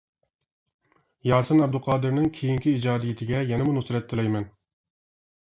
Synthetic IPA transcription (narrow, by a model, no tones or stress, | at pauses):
jɑːsɨnɛb̚d̪ʊlqʰɑːd̪ɨɾnɪŋkʲʰejiŋkʲiːd͡ʒɑːd̪ɪjit̪ʰɪɡʲɛjɛnɛmunusɾɛt̪ʰːɪlɛjmɛn